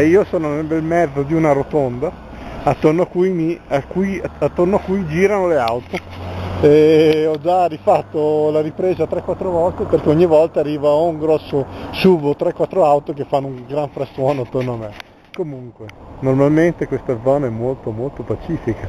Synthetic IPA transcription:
iːosoːnonelbelmɛd̪ːod̪iunaɾot̪ond̪a | at̪ːornoakːujmiakːiat̪ːornoakːujd͡ʒiːɾanoleawt̪o | eɔd͡ʒarifat̪ːolaɾipɾeːzat̪ɾɛkːwat̪ːɾovɔlt̪eperkeoɲːivɔlt̪aːrːiːvauŋɡɾɔsːosuːvot̪ɾɛkːwat̪ːɾoawt̪okefːanːouŋɡɾaɱfɾaswɔːnoat̪ːornoamːe | komuŋkwenormalment̪ekwest̪ad̪zɔːnaɛmːolt̪omolt̪opat͡ʃiːfika

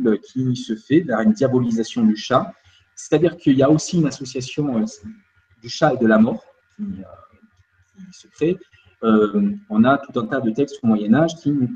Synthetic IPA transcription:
økʲʰisəfɛvɛʁynd̪jabɔlizasjɔ̃d̪yʃa | se̥t̪ad̪iʁkʰəiljaosiynasɔsjasjɔ̃ø | d̪yʃaed̪əlamɔːʁ | kʲiø | kʲisəkχe | øɔ̃nat̪ut̪ɛ̃t̪ad̪ət̪ɛkst̪omwajɛnaʒkʲinu

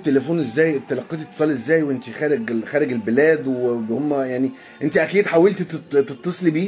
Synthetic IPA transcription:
t̪ːelefuːnʔezːæːjet̪ːælɑqːiːt̪et̪ːe̥sˤɑːlʔezːæːjweʔent̪ixæːɾeɡxæːɾeɡelbelæːd̪webhomːæjaʕni | ʔent̪iʔækiːd̪ħawelt̪t̪et̪ˤːɑsˤlibiː

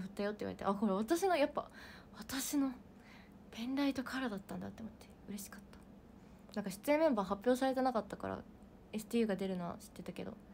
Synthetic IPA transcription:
ɸɯ̟t̪ːajo̞t̪ːeiβaɾet̪eʔako̞ɾaβ̞at̪aɕino̞japːa̰βat̪aɕino̞ | b̥ẽ̞nɾait̪o̞kʰaɾad̪at̪ːãnd̪a̰t̪ːomot̪ːe̞ɯ̟ɾe̞ɕi̥kḁt̪ːḁ | nãŋkaɕi̥t͡sɨẽ̞mːẽ̞mbaːɦapʲːjo̞ːsaɾe̞t̪e̞nakat̪ːaka̰ɾa̰ | e̞sɨ̥t̪ijɯ̟ːɡad̪e̞ɾɯ̟noβa̰ɕi̥t̪ːe̞t̪ake̞d̪o̞̰

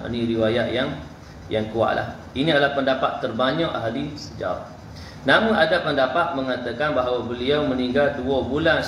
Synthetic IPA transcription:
niɾiwajaʔjaŋ | jaŋkua̰ʔlʔa̰h | inĩadalahpəndapat̪ːərbaɲɔʔaɦalisəd͡ʒa̰ | namũnadapəndapat̪̚məŋat̪əkanbaɦawabəliawməniŋɡald̪uɔbulan

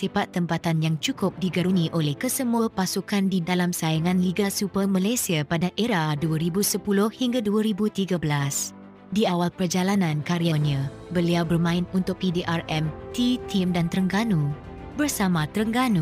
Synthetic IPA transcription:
sifat̪ːəmpat̪anjaŋt͡ʃukʊp̚diɡaɾunĩʔolɛhkəsəmuəpasukandidalamsajaŋãnliɡasupəmãlasiapadaʔeɾaduaɾibusəpulʊhhiŋɡaduaɾibut̪iɡabəlas | diawalpərd͡ʒalanãnkaɾianiã | bəliawbərmãɪnunt̪ʊk̚pideʔarɛmt̪it̪ʰimdant̪əɾəŋɡanũ | bərsamãt̪ɾəŋɡanu

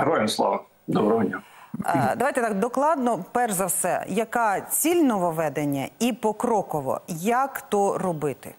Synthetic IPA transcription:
ɦɾɔjɪmslˠɔ̰ʋɐ | d̪ɔbɾɔɔdʲnʲa | d̪ɐʋajt̪ɛt̪ɑkd̪ɔklˠɑd̪nɔpɛrzɐwsɛ̰jɐkɑt͡sʲilʲnɔʋɔʋɛd̪enʲːɐ̰ipɔkɾɔkɔʋɔ̰jɐkt̪ɔrɔbɪt̪ɪ̰

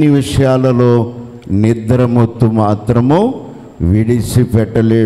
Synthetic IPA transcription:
nːiʋiʂɐjaːlɐloː | nid̪ɐɾɐmut̪ːumaːt̪ɾɐmoː | ʋiɽisipɛʈːɐleː

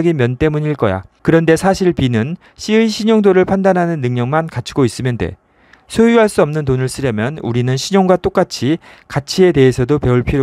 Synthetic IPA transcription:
ɡimjʌnt͈e̞muɲiɭk͈ʌ̰ja̰kɯɾʌnde̞sʰaɕʰiɭpinɯn | ɕʰiɯiɕʰiɲoŋdoɾɯɭpʰandanɦanɯnːɯŋɲʌŋmankat͡ɕʰiɡois͈ɯmjʌnde̞̰ | sʰojuɦaɭs͈uʌmnɯntonɯɭs͈ʰɯɾjʌmjʌnṵɾinɯnɕʰiɲoŋɡwat͈ok͈at͡ɕʰi | kat͡ɕʰie̞te̞ɦesʰʌdope̞uɭpʰiɾjo

